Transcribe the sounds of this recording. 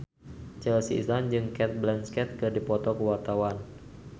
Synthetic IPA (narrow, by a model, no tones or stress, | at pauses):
t͡ʃɛlsiḭsland͡ʒɨŋkɛt̪̚blɛnskɛt̪̚kɨrdipɔt̪ɔkəwart̪awan